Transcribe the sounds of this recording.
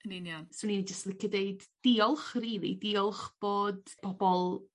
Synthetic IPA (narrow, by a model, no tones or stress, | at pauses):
əninjansʊnind͡ʒəstlˠɪkʰɪdeɨd̥ːiɔlˠχriːlˠḭdɪɔlˠχb̥oːd̥pʰɔbɔlˠ